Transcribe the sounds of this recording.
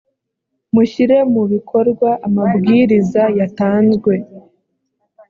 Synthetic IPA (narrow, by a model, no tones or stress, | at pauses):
muçiɾe̞muβikʰo̞ɾɡwaʔːmabɡiːɾizajataːnzɡwe̞